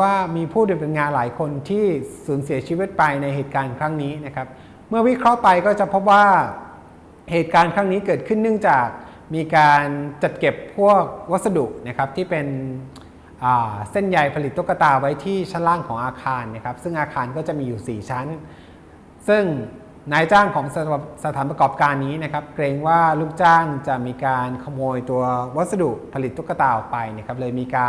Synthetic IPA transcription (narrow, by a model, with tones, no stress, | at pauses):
waː˥˩miː˧pʰuː˥˩no˧˩pe˧nŋaː˧nla̰ː˩˦jkʰo˧nt̪ʰiː˥˩suː˩˦nsi˩˦ɐt͡ɕʰi˧wi˦˥t̪̚pa˧jna˧jɦeː˨˩t̪̚kaː˧nkʰɾa˦˥ŋniː˦˥na˦˥kʰa˦˥p̚ | mɯ˥˩ɐwi˦˥kʰɾɔ˦˥ʔpa˧jkɔː˥˩t͡ɕa˨˩pʰo˦˥p̚waː˥˩ | heː˨˩t̪̚kaː˧nkʰɾa˦˥ŋniː˦˥kɤː˨˩t̪̚kʰɯ˥˩nːɯ˥˩ŋt͡ɕaː˨˩k̚ | miː˧kaː˧nt͡ɕa˨˩t̪̚ke˨˩pʰːu˥˩ək̚wa˦˥t̪̚sa˧du˨˩k̚na˦˥kʰa˦˥p̚t̪ʰiː˥˩pe˧n | ʔaː˨˩se˥˩nja˨jpʰa˧li˨˩t̪̚ːu˦˥kːa˧t̪aː˧wa˦˥jt̪ʰiː˥˩t͡ɕʰa˦˥nlaː˥˩ŋkʰɔː˩˦ŋʔaː˧kʰaː˧nːa˥˦˥kʰa˦˥p̚sɯ˥˩ŋʔaː˧kʰaː˧nkɔː˥˩t͡ɕa˨˩ʔmiː˧juː˨˩siː˨˩t͡ɕʰa˦˥n | sɯ˥˩ŋ | naː˦˥jt͡ɕaː˥˩ŋkʰɔː˩˦ŋsa˧t̪ʰaː˩˦npɾa˧kɔː˨˩p̚kaː˧nːiː˦˥na˦˥kʰa˦˥p̚kɾeː˧ŋwaː˥˩luː˥˩k̚t͡ɕaː˥˩ŋt͡ɕa˨˩ʔmiː˧kaː˧nkʰa˧moː˧jt̪u˧ɐwa˦˥t̪̚sa˧du˨˩ʔpʰa˧li˨˩t̪̚ːu˦˥kːa˧t̪aː˧ʔɔ˨˩k̚pa˧jna˥˩kʰa˦˥p̚lɤː˧jmiː˧kaː˧